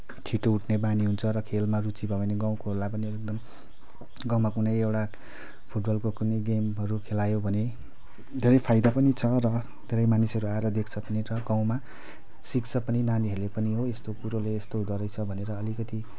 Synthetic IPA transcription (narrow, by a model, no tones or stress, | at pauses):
t͡sʰiʈouʈʰnebaniɦunt͡sʰʌɾʌkʰelmarut͡sibʱʌbaneɡaw̃kʰolajp̬ʌniek̚d̪ʌm | ɡãw̃makunʌjewʈa | pʰuʈbʌlkokunʌjɡemɦʌɾukʰelajobʱʌne | d̪ʱeɾʌjpʰajd̪apʌnit͡sʰʌrʌ | d̪ʱeɾʌjmanisɦʌɾuaeɾʌd̪ekʰt͡sʰʌpʌniɾʌɡaw̃ma | sikt͡sʰʌpʌninaniɦʌɾulepʌniɦoest̪okuɾoleːst̪oud̪ʌɾʌjt͡sʰʌbʱʌneɾʌːlikʌt̪i